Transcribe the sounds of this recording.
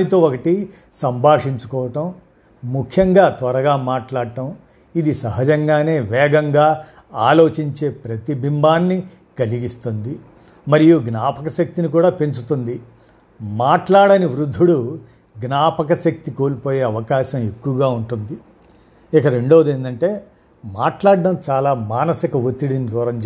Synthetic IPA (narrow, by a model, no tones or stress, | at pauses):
it̪o̞ːokɐʈi | sɐmbʱaːʂiɲt͡ʃu̥kɔːʋɐʈɐm | mukʰjɐŋɡaːt̪ʋɐɾɐɡaːmaːʈlaːɽʈɐm | id̪isɐɦɐd͡ʒɐŋɡaːne̞ːʋɛːɡɐŋɡaː | aːlo̞ːt͡ʃiɲt͡ʃe̞ːpɾɐt̪ibʱimbaːnːi | kɐliɡist̪und̪i | mɐɾijuɡnaːpɐkɐʃɐk̚t̪inikuːɽaːpe̞ɲt͡ʃut̪und̪i | maːʈlaːɽɐniʋɾud̪ʱːuɽu | ɡnaːpɐkɐʃɐk̚t̪ikoːlipoːje̞ːɐʋɐkaːʃɐ̃me̞kːuʋɐɡaːuɳʈund̪i | ikɐɾe̞ɳɖoːd̪eːnd̪ɐɳʈe̞ː | maːʈlaːɽːɐmt͡ʃaːlaːmaːnɐsikɐʋot̪ːiɽinid̪ɔːɾɐm